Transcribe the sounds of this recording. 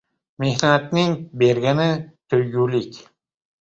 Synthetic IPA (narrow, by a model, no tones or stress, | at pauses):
me̞hnat̪nɪŋbe̞ɾɡʲanɪt̪ʰɵjɡʲulɪkʲ